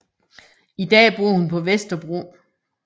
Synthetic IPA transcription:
id̥ɛ̰ːb̥uɐ̰hunpʰɒ̽ʋesd̥ɐb̥ʁo̝̰

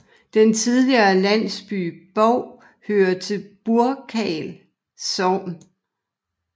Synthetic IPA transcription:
d̥ent͡sʰiðˠliɐːlæn̰sb̥y̰ːb̥ɒʊ̰ | høːɐt͡sʰe̝lb̥uɐkʰɛːl | sɒʊn

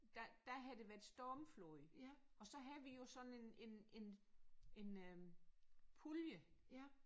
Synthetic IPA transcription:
d̥æd̥æɦæðˠd̥e̝ʋæɐd̥sd̥ɒːmflɔɪɒ̽sɒ̽ɦæðˠʋijo̝sɒ̽ne̝ne̝ne̝ne̝n | pʰuljə

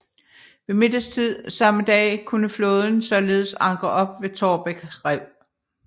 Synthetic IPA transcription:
ʋe̝me̝d̥əst͡sʰið̞̰ˠsɑ̈məd̥ɛ̰ːkʰunəflo̽ːð̞ˠn̩sɒ̽le̝ːð̞ˠsɑ̈ŋɡ̥ʁɐʔɒ̽b̥̚ʋe̝t͡sʰɒːb̥eɡ̥ʁɛʊ̰

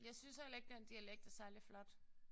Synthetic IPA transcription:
jɑ̈ɪsynshel̰e̝ɡ̥̚d̥end̥iæleɡ̥d̥æsæɐliflɒ̽d̥

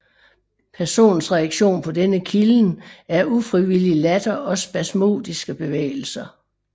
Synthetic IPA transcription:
pʰæɐso̝̰ːn̩sʁɛæɡ̥ɕo̝̰ːnpʰɒ̽d̥enəkʰiln̩æɐʔufʁiʋililæd̥ɐʔɒ̽sb̥æsmo̝̰ːd̥isɡ̥əb̥e̝ʋḛːɪl̩sɐ

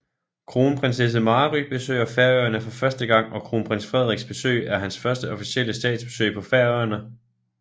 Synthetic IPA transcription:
kʰʁo̝ːnpʰʁɛnses̬əmɑːʁyb̥e̝sø̰ːɐfæɐøɐnəfɒ̽fɶɐsd̥əɡ̥ɑ̈ŋ̰ɒ̽kʰʁo̝ːnpʰʁɛn̰sfʁɛð̰ˠʁiɡ̥sb̥e̝sø̰ːɪæɐɦænsfɶɐsd̥əɒ̽fisiel̰əsd̥ɛ̰ːd̥sb̥e̝̥sø̰ɪpʰɒ̽fæɐøɐnə

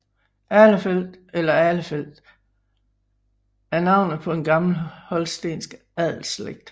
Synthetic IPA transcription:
ʔæləfel̰d̥elɐæləfel̰d̥ | æɐnɑ̈ʊ̰nð̩ˠpʰɒ̥̽e̝nɡ̥ɑ̈ml̩hɒ̽lsd̥ḛːnsɡ̥ | æð̰ˠl̩sleɡ̥̚d̥

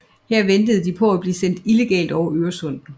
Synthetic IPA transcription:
heɐ̰ʋend̥əð̞̩ˠd̥ipʰɒ̽æb̥liːsen̰d̥ile̝ɡ̥ɛ̰ːld̥ɒʊɐʔøːɐsɔ̽n̰̥n̩

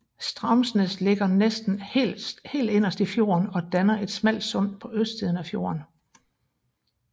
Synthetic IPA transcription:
sd̥ʁɑ̈msnəsle̝ɡ̥ɐnesd̥n̩he̥she̝̰ːld̥e̝n̰ɐsd̥ifjo̝̰ːɐnɒ̽d̥ænɐʔe̝d̥smæl̰d̥sɔ̽n̰̥̚pʰɒ̽ʔøsd̥sið̞ˠn̩æfjo̝̰ːɐn

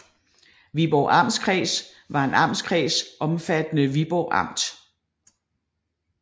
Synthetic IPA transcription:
ʋib̥ɒʊ̰ʔɑ̈m̰skʰʁɛ̰ːs | ʋɑ̈e̝nɑ̈m̰skʰʁɛ̰ːsʔɒ̽mfæd̥ənəʋib̥ɒʊʔɑ̈m̰d̥

